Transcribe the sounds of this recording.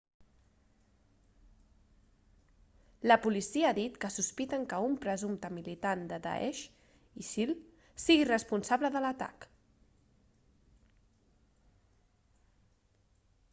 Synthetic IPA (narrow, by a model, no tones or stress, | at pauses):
ləpulisiəːðit̪kəsuspit̪əŋkəumpɾəzumt̪əmilit̪and̪əd̪a̰ʔɛ̰ʃ | isil | siɣirəspunsaβləðələt̪a̰k